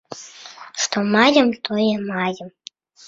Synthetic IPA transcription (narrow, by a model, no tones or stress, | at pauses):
ʂt̪ɔmajʲɐmt̪ʰɔjɛmajɐm